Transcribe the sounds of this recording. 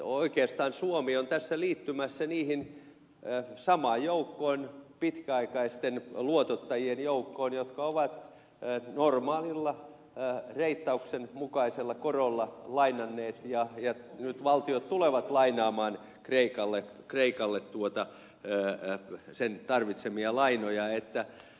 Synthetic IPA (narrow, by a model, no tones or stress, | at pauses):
oikeːst̪ɑːnsuomiont̪æsːæliːt̪ːymæsːæniːhin | sɑmɑːjjoukːoːnpit̪kæɑikɑist̪enluot̪ot̪ːɑjienjoukːoːnjot̪kɑoʋɑt̪ː | normɑːlilːɑ | reit̪ːɑuksenmukɑiselːɑkorolːɑlɑinɑnːeːt̪jɑjɑnyt̪ʋɑlt̪iot̪t̪uleʋɑt̪lɑinɑːmɑːn | kreikɑlːe | kreikɑlːet̪t̪uot̪ɑ | sent̪ɑrʋit̪semiɑlɑinojɑet̪ːæ